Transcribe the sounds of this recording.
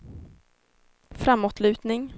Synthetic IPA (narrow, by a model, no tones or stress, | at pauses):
fɾamːɔt̪ʰlʉ̟ːt̪nɪŋ